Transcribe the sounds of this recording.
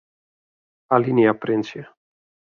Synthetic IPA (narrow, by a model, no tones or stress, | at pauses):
aliniapɾensia